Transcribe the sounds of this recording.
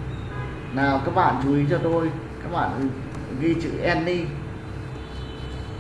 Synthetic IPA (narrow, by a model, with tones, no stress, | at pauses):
naː˨˩wkaː˦˥k̚ɓa̰ː˧˨nt͡ɕu˨˦i˨˦t͡ɕɔ˧t̪o˧j | kaː˦˥k̚ɓa̰ː˧˨n | ɣi˧t͡ɕɨ̰˧˥ʔɛ˧nɗi˧